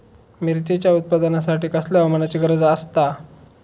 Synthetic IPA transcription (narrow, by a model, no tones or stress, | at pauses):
miɾt͡set͡ɕjaut̪̚pad̪ənasaʈiːkəslaʋəmənat͡seɡəɾəd͡zəst̪a